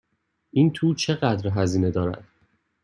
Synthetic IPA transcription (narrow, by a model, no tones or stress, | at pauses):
ʔiːnt̪ʰuːt͡ʃʰe̞ɣæd̪ɾɦæziːne̞d̪ɒːɾæ̰d̪̥